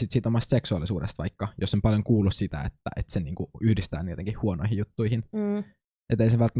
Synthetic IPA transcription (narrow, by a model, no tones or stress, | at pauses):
sit̪siːt̪omɑst̪seksuɑlːˑisuːdest̪ʋɑ̰ikːɑjosːompɑljoŋkuːlːussit̪æ̰ḛt̪ːæ̰ʔet̪seniːŋkuyhdist̪æːnyjot̪eŋkihhuonoihijut̪ːuihin | ʔet̪ːˑeiseʋʋælt̪ː